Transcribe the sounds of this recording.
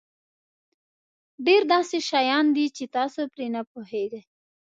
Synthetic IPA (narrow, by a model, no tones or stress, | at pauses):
ɖeɾd̪ɑseʃajɑnd̪it͡ʃet̪ɑsopɾenapoɦeɡaj